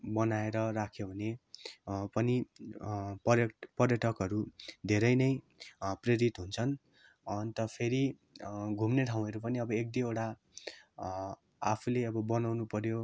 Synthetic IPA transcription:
bʌnaeɾʌrakʰjobʱʌne | pʌni | pʌjʌpʌrjʌʈʰʌkɦʌɾud̪ʱeɾʌjnʌj | preɾit̪ɦunt͡sʰʌn | ʌnt̪ʌpʰeɾi | ɡʱumneʈʰaw̃ʌɾupʌniʌbʌek̚d̪ioɽa | apʰuleʌbʌbʌnawnupʌɾjo

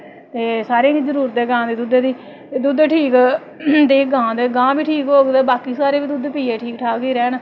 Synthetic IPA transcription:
t̪eːsaːɾẽːɡiːzəɾuːɾət̪eːɡãːd̪eːd̪ud̪eːd̪iː | t̪eːd̪ud̪ʈʰiːk | d̪eːɡãːd̪eːɡãːbiːʈʰiːkɦoːɡd̪eːbaːkiːsaːɾeːbiːd̪ud̪piːeːʈʰiːkʈʰaːɡiːɾɛːn

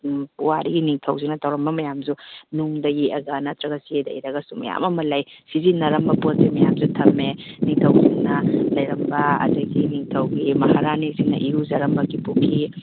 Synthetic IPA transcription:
puwaɾiɡiniŋtʰɐwziŋnɐtʰɐwɾɐmbɐmɐjamzunuŋdɐeɐɡɐnɐtɾɐɡɐsiedɐḭɾɐɡɐsumɐ̰ja̰mɐmɐlajsizinːɐɾɐmbɐpot̚simɐjamzutʰɐmeniŋtʰɐwziŋnɐlɐjɾɐmbɐɐ̰dɐɡiniŋtʰɐwɡimɐhaɾanisiŋnɐ̰ʔiɾuzɐɾɐmbɐɡipukʰi

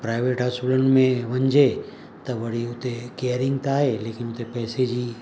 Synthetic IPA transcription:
pɾaːɪʋeʈɦasuləɳmẽʋɐ̃ɲd͡ʑʱe | t̪ɐʋɐɽ̤iʊt̪ekeːəɾɪ̃ŋɡt̪aːɦeleːkɪnʊt̪epɛːsed͡ʑiː

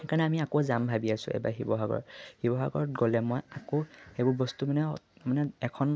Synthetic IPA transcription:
kaɹnɛamiakozambʱabiasʊ̰̃ḛba̰ɦibɔɦaɡɔ̰ɹhibɔɦa̰ɡɔɹɡolɛmɔjakoxebʊɹbɔstumanɛmanɛɛkʰɔn

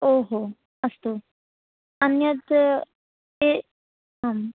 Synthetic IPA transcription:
oɦo | ɐst̪u | ɐnjət̪ | e | ɦam

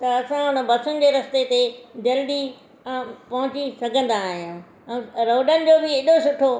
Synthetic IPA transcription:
t̪ɐɐsãɦʊnə̆bɐsʊnɪ̆d͡ʑeːɾɐst̪et̪ed͡ʑɐlɗĩ | pɐɦʊ̃t͡ɕisɐɡʱə̃nd̪aːɦijãː | ɛ̃ːɾoːɖənɪ̆d͡ʑoːbɪeːɗosʊʈʰo

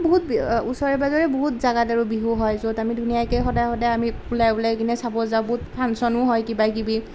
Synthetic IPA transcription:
boɦut̚busɔɹɛbazɔɹɛboɦutzaɡadaɹubiɦuɦɔjzotamidʱunijajkɛjxɔdajxɔdajamipulajbulɛkinɛsabɔzabʊtpʰansɔnʊɦɔjkibakibi

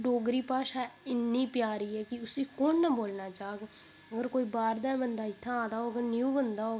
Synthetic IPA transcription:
ɖoːɡɾiːpaːʃaːɪnːĩːpɪjaːɾiːɦɛːkɪʊsiːkoːnːəboːlnaːt͡ʃaːɡ | əɡəɾkoːiːbaːɾd̪aːbənd̪aːɪt̪ʰːãːd̪aːɦoːɡəɾnjuːbənd̪aːɦoː

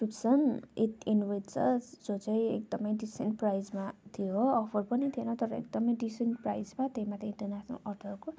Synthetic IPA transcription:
pipsʌnit̪inwett͡sʰʌ̰d͡zot͡sʌjḛk̚d̪ʌmʌjɖisenʈ̚prajd͡zmat̪ʰijoʌpʰʌrpʌnit̪ʰienʌt̪ʌɾʌḛk̚d̪ʌmʌjɖisenʈpra̰jd͡zmat̪eĩmat̪eĩnʈʌrnasʰnṵʔʌrʈ̪ʰʌrko

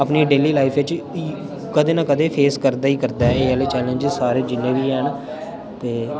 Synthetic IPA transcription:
əpniːɖeːliːlaːipʰɪt͡ʃː | kəd̪eːnaːkəd̪eːpʰeːskəɾd̪aːiːkəɾd̪aːɛeːəːleːt͡ʃɛːlẽːnd͡ʒɪzsaːɾeːd͡ʒɪnːẽːʋiːɛːn | t̪eː

